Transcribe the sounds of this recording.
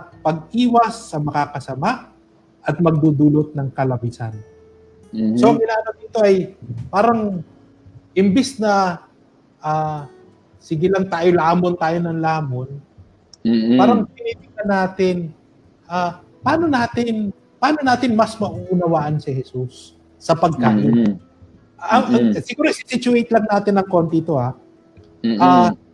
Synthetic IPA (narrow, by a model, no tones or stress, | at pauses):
pɐɡ̚ʔiːwɐsːɐmɐkakɐsɐmaʔ | ʔɐt̪̚mɐɡ̚d̪ud̪uːlot̪̚nɐŋkɐlɐbisa̰n | soʔɐŋɡɪnaːʔɐlɐp̚d̪iːt̪o̞ʔɐjpaːɾɐŋ | ʔɪmbɪsnɐ | ʔaː | sɪɡɪlɐŋt̪aːjolɐʔaːmont̪aːjo̞nɐŋlaːmon | paːɾɐŋpɪnip̪ɪk̪ɐnaːt̪ɪn | ʔaː | paːno̞naːt̪ɪn | paːnonaːt̪ɪnmɐsmɐʔuʔunɐwaːʔɐnsɪhɛsusː | ɐpɐɡ̚kaːʔɪn | ʔʔɐŋɐŋsɪɡuːɾoʔsɪsɪt͡ʃʊejt̪lɐŋnaːt̪ɪnɐŋko̞nt̪it̪o̞ha | ʔaː